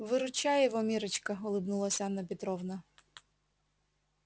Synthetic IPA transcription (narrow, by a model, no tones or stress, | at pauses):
ʋɪɾʊt͡ʃɑjɛʋɔmʲiɾɪt͡ʃkɐɔlˠɪbnʊlˠɐsʲɐnɐpʲɪt̪ɾɔwnɐ